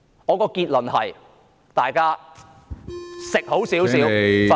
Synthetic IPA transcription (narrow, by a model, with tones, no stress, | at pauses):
ŋɔː˨˧kɔː˧kiː˧t̚lɵ˨˩nhɐ˨j | t̪aː˨jkaː˥ | sɪ˨k̚ho˨˥wsiː˨˥wsiː˨˥w